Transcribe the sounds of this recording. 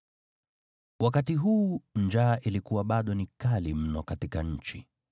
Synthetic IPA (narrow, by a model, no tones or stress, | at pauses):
wakatiɦuːnd͡ʒaːʔilikuwaɓaɗɔnikalim̩nɔkatikaɲ̩t͡ʃi